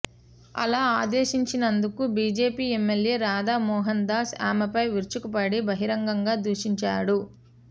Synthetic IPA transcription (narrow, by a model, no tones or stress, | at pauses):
ɐ̰laːaːd̪eːʃiɲt͡ʃinɐnd̪ukubiːd͡ʒe̞ːpiːemːelje̞ːɾaːd̪aːmɔːɦɐnd̪aːsa̰ːmɐpɐjʋiɾt͡ʃukupɐɽibɐɦiɾɐŋɡɐŋɡaːd̪uʂiɲt͡ʃa̰ːɽu